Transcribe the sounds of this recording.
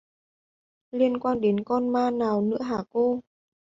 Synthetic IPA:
li˧ənkwaː˧nɗe˨˦nkɔ˧nmaː˧naː˨˩wnɨ̰˧˥əɦaː˨˩ko˧

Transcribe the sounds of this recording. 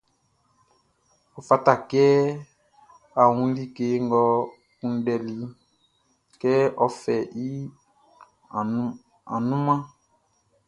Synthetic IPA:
ɔ˨fa˦ta˨kɛ˦ | a˨wũ˦li˦ke˨˦ŋɡɔ˦ | kũ˦n˦dɛ˨li˨ | kɛ˦ʔɔ˦fɛ˨ʔi˦˨ | a̰˨nũ˦mã˦

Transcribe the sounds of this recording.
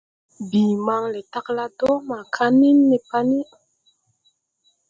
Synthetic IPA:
biː˨ma˧ŋle˨ta˦kla˦to˦ma˨kʰa˦ni˦nːe˨pa˦ni˦

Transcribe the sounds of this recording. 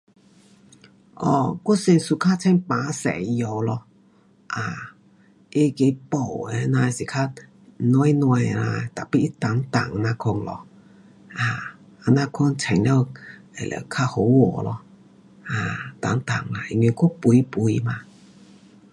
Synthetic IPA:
ʔɔ˨˧˩kɔ˦˥se˧nsu˧kʰa˥˧t͡sʰɛ˧˦npa˨˧˦sɛ̰˨˩˧jo˧wlɔ˧ | ʔa˨ | e˦ke˧˦po˨˩wɛ˧˦nã˧si˨˩kʰa˧ | nwɔ˧˦jnwa˧jla˧t̪a˨˩pi˦i˦t̪a˨˦ŋt̪a˨˩ŋ˧nã˧kʰɔ˧ŋlɔ̰˧ | ʔa˧˩ | a˧nã˧kʰɔ˧nt͡sʰɛ˨˩nljɔ˧wɛ˨˩˨lʔɛ̰˨˩kʰa˧ho˨˧˦wɔ˨˩lɔ̰˧ | a˨˩t̪a˨˦ŋt̪a̰˨˩ŋla˧˩i˧nwi˧kɔ˦pu˧˦i˦pu˨˧jma˧

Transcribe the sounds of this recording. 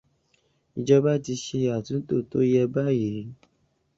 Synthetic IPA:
i˦˨d͡ʒɔ˦ba˦˨ti˧ʃe˧˦a˨tũ˨˦to˦˨to˦jɛ˦ba˦˨ji˨˦ɾ

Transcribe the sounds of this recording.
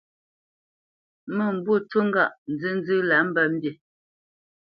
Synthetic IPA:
mə˨m̩˨bwu˦˨tu˦ŋ̩˦ɡa˦˨ʔn̩˨d͡zɨ˦n̩˦d͡zɨ˦la˨˦m̩˦bə˦˨m̩˦bje˨

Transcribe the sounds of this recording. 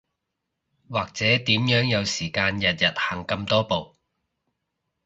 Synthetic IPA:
waː˨k̚t͡sɛː˨˥t̪iː˨˥mjœː˨˥ŋjɐ˨˧wsiː˨˩kaː˧njɐ˨t̚jɐ˨t̚hɐː˨˩ŋkɐ˧mt̪ɔː˥po˨w

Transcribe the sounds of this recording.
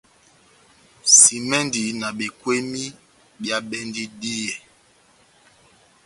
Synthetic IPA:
si˨mɛ˦ndi˨˦na˨ɓe˨kwe˦mi˦ | bja˦ɓɛ˦ndi˦di˦ɛ˨

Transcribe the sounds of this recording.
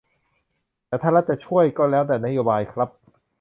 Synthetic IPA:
t̪ɛː˨˩t̪ʰaː˥˩ɾla˦˥t͡ɕa˨˩t͡ɕʰu˥˩əjkɔː˥˩lɛː˦˥wdɛː˨˩na˦˥joː˧baː˧jkʰɾa˦˥p̚

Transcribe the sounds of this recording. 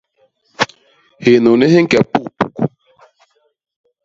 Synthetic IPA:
he˨nu˨ne˦he˦ŋ̩˦kɛ˨pu˦˨pu˨ku˨

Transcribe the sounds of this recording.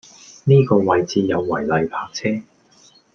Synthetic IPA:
niː˥kɔː˧wɐ˨˩jt͡siː˨˧jɐ˨˧wːɐ̰˨˩jlɐ˨jpʰaː˧k̚t͡sʰɛː˥

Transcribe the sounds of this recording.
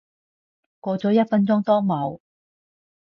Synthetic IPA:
kʷɔː˧t͡sɔː˨˥jɐ˥t̚fɐ˥nt͡sʊ˥ŋt̪ɔː˥ŋmɐ˨˧w

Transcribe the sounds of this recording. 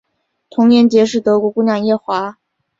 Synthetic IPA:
t̪ʰʊ˧˥ŋjɛ˧˥nt͡ɕjɛ˧˥ʂ̬ɻ̩˥˩t̪ɤ˧˥kwɔ˧˥ku˥˧njɑa˥˩ŋjɛ˥˩xwa˧˥

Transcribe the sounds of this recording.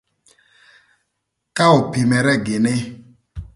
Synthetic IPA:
ka˦ʊ˨pi˨mɛ˨ɾɛ˦ɡɪ˨nɪ˦

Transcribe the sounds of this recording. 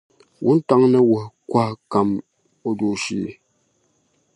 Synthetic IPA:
wʔṵ˦n̩˦ta˦ŋnɛ˦wə˨kwa˦ka˨m | o˦du˨ʃḭ˨

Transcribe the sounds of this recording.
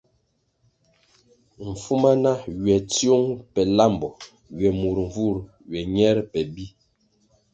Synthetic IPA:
ɱ̩˨fu˦ma˦na˦ɥɛ˨tjo˦ŋpɛ˨la˦˨mbɔ˨ | ɥɛ˨mu˨ɾɱ˨vu˦˨ɾ | ɥɛ˨ɲɛ˦ɾpɛ˨bi˦

